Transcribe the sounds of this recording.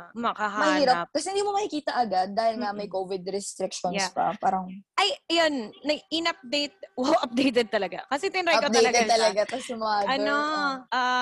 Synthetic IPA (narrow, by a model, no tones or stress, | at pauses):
mɐkahamɐhiːnɾɐp̚p̚kɐsɛhɪnd̪iːmomɐhikiːt̪ɐʔɐɡad̪̚ːaːhɪlŋɐmɐjkoːvɪd̪ɾɛst̪ɾɪkʃonj̪spɐ̰paːɾɐŋʔɐjɐjonːɐɡɪnɐp̚d̪ejt̪̚wawʔɐp̚d̪ejt̪ɛd̪̚t̪ɐlɐɡa̰kɐsɛt̪ɪnɾajkɐd̪ɐjlɐt̪ɛɐlɐɡat̪ɐsɛmaɐnoʔa